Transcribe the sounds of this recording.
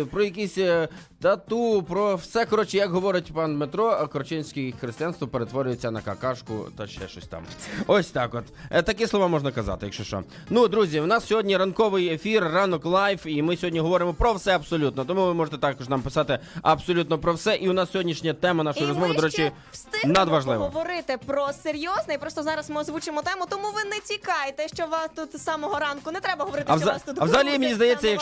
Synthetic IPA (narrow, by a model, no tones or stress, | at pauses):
pɾɔjɐk̬ʲisʲ | t̪ɐt̪upɾɔwsɛkɔɾɔt͡ʃɪjɐkɦɔʋɔɾɪtʲpɑnmet̪ɾɔkɔɾt͡ʃɪnʲsʲkɪxɾest̪ɨjanst̪ʋɔpeɾet̪ʋɔɾʲʊjet͡sʲːɐnɐkɐkɑʂkʊ̰t̪ɐʃɛ̰ʃt͡ʃɔ̰sʲt̪ɑ̰mɔsʲt̪ɑkɔt̪t̪ɐkɪslˠɔʋɑmɔʒnɐkɐzɑ̰t̪ɪjɐkʃɔʃt͡ʃɔ̰ | nud̪ɾuzʲiwnɑssʲɔɦɔdʲnʲiɾɐnkɔʋɪjefʲirːɑnɔklˠɑjʋimɪsʲɔɦɔdʲnʲiɦɔʋɔɾɪmɔpɾɔwsɛɐbsɔlʲut̪nɔt̪ɔmuʋɪmɔʒet̪ɛt̪ɑkɔʒnɑmpɪ̥sɑt̪ɪɐbsɔlʲut̪nɔpɾɔwsɛʔiʊnɑssʲɔɦɔdʲnʲiʃnʲɐt̪ɛmɐnɑʃɔjɾɔzmɔʋɪd̪ɔɾɛt͡ʃɪ | st̪ɪnɐd̪ʋɐʒlˠɪ̰ʋɔɔʋɔɾɪt̪ɪpɾɔseɾʲjɔznɛjpɾɔst̪ɔzɑɾɐsmɪɔzʋut͡ʃɪmɔt̪ɛmʊt̪ɔmuʋɪnɛt͡sʲikɑjt̪ɛʃt͡ʃɔʋɑt̪ut̪sɑmɔɦɔɾɑnkʊnɛt̪ɾɛbɐɦɔʋɔɾɪt̪ɐzst̪ut̪ɐʋzɐɦɐlʲimenʲizd̪ɐjɛst͡sʲːɐjɐk